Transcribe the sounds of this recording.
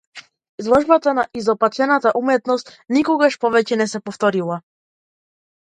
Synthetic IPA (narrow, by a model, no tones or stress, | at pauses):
zlˠɔʒbat̪anaʔizɔpat̪ɛnat̪aʔumɛt̪nɔst̪nikɔɡaʃpɔvɛcɛnɛsɛpɔft̪ɔɾilˠa